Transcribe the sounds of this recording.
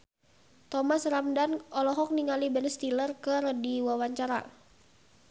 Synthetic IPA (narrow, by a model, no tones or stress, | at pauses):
t̪ɔmasramdanɔlɔɦɔk̚niŋalibɛnst̪ilərkəɾədiwawaɲt͡ʃaɾa̰